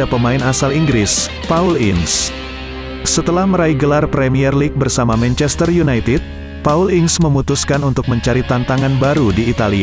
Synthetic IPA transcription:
apəmaɪnasaliŋɡɾɪs | paulɪŋs | sət̪əlahməɾaiɡəlarpɾemiɛrlik̚bərsamamɛnt͡ʃɛst̪ərjunajt̪ɪd̚ | paulɪŋsməmut̪uskanunt̪ʊk̚məɲt͡ʃaɾit̪ant̪aŋanbaɾudiːt̪alia

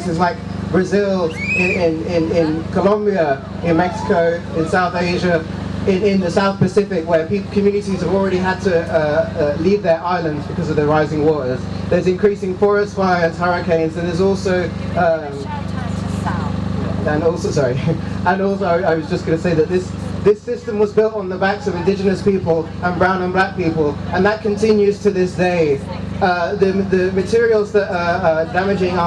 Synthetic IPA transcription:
sɪzlaɪk̚ | b̥ɹɨzɪlˠɪ̃ɪ̃nɪ̃nɪ̃nkʰəlʌ̃mbiə | ɪ̃nmɛksɪ̥kʰoʊ | ɪ̃nsaʊθeɪʒəɪ̃nɪ̃nðɨsaʊθpɨsɪfɪkwə˞pikʰə̃mjʉnɨtiz̥əvl̩ˠɹɛɾiɦəd̚tʰɨʌʌlivðə˞ʔaɪlˠə̃ndzbɨkʰʌzʌvðəɹaɪzɪ̃ŋwɔɹz̥ | ðə˞zɨ̃nkʰɹ̥isɪ̃ŋfɔɹɨstfaɪə̃nshaɹɨkʰẽɪ̃nzɨ̃nðə˞zɔˑlˠsoʊʌ | ə̃nɔlˠsoʊsɑɹiə̃nɔlˠsoʊaɪaɪwʌzd͡ʒʌsɡ̥ʌnɨseɪðɨt̪̚ðɪsðɪsɪstə̃mwʌzbɪlˠtn̩ðəbæ̃ŋksʌvɨ̃ndɪd͡ʒɨnɨspipəlˠ | ə̃nbɹãʊ̃nə̃nblæk̚pipəlˠə̃nðət̚kʰɨ̃ntʰɪ̃njʉz̥tʰɨðɪsd̥eɪ | ʌðɨðɨmɨtʰɪɹil̩ˠzðəɾədæmɨd͡ʒɪ̃ŋə

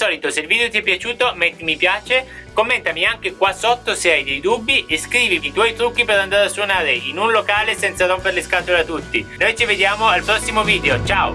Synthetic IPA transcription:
sɔːlit̪oseilviːd̪eot̪iɛpːjat͡ʃuːt̪omeimipjaːt͡ʃekomːent̪amiaŋk̟ekwasot̪ːoseajd̪ejd̪ubːiʔeskɾiːviit̪wɔjt̪ɾukːipeɾand̪aɾeasːwonaːɾeinunlokaːlesɛnt̪saɾompeɾleskat̪oleat̪ːut̪ːinojt͡ʃived̪jaːmoalpɾɔsːimoviːd̪eot͡ʃaːo̰

